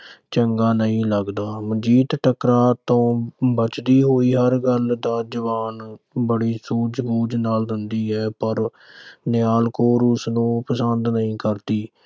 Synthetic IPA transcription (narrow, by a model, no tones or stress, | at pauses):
t͡ʃəŋɡaːnəɦĩːləɡd̪aːməd͡ʒiːt̪ʈəkɾaːt̪õːbət͡ʃd̪iːɦoːiːɦəɾɡəld̪aːd͡ʒəʋaːn | bəɽiːsuːd͡ʒɡuːd͡ʒnaːld̪ɪnd̪iːɦɛːpəɾ | nɪjaːlkoːɾʊsnũːpəsənd̪nəɦĩːkəɾt̪iː